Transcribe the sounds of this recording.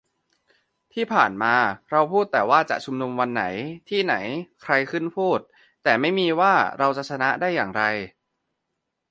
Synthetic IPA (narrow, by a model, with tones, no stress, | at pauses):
t̪ʰiː˥˩pʰaː˨˩nmaː˧ɾa˧wpʰuː˥˩t̪ːɛː˨˩waː˥˩t͡ɕa̰˨˩ʔt͡ɕʰu˧mnu˧mwa˧nːa˩˦jt̪ʰiː˥˩na˩˦jkʰɾa˧jkʰɯ˥˩npʰuː˥˩t̪̚ː | ɛː˨˩ma˥˩jmiː˧waː˥˩ɾa˧wt͡ɕa˨˩ʔt͡ɕʰa˧na˦˥ʔdaː˥˩jːaː˨˩ŋɾa˧j